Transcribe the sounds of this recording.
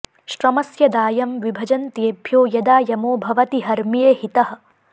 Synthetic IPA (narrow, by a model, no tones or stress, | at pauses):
ʃɾɐmɐsjɐd̪aːjɐmʋibʱɐd͡ʒɐnt̪jebʱjoːjɐd̪aːjɐmoːbʱɐʋɐt̪iɦɐɾmijeːhit̪ɐɦɐ̆